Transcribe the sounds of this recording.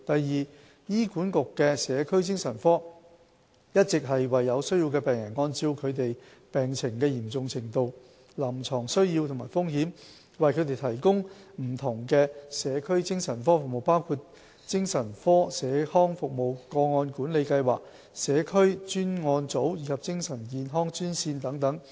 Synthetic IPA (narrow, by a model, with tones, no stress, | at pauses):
t̪ɐ˨jːiː˨˩ | jiː˥kuː˨˥nkʊ˨kːɛː˧sɛː˨˧kʰɵ˥ɥt͡sɪ˥ŋsɐ˨˩nfɔː˥ | jɐ˥t̚t͡sɪ˨k̚ɦɐ˨jwɐ˨jːɐ˨˧wsɵ˥ɥji˧wkɛː˧pɛː˨ŋjɐ˨˩nŋɔː˥nt͡siː˧wkʰɵ˨˧ɥt̪̬e˨j | pɛː˨˩ŋt͡sʰɪ˨˩ŋkɛː˧jiː˨˩mt͡sʊ˨ŋt͡sʰɪ˨˩ŋt̪o˨w | lɐ˨˩mt͡sʰɔː˨˩ŋsɵ˥ɥjiː˧wt̪ʰʊ˨ŋma̰ː˨˩jfʊ˥ŋɦiː˨˥m | wɐ˨jkʰɵ˨˧ɥt̪e˨jt̪ʰɐ˨˩jkʊ˥ŋm̩˨˩t̪ʰʊ˨˩ŋkɛː˧sɛː˨˧kʰɵ˥ɥt͡sɪ˥ŋsɐ˨˩nfɔː˥fʊ˨k̚mo˨wpaː˥wkʰuː˧t̚ | t͡sɪ˥ŋsɐ˨˩nfɔː˥sɛː˨˧hɔː˥ŋfʊ˨k̚mo˨˩wkɔː˧ŋɔː˧nkuː˨˥nle˨˧jkɐ˧jwaː˨k̚ | sɛː˨˧kʰɵ˥ɥt͡ʃyː˥nŋɔː˧nt͡so˨˥wjiː˨˧kʰɐ˨p̚t͡sɪ˥ŋsɐ˨˩nkiː˨˧nɦɔː˥ŋt͡ʃyː˥nsiː˧nt̪ɐ˨˥ŋt̪ɐ˨˥ŋ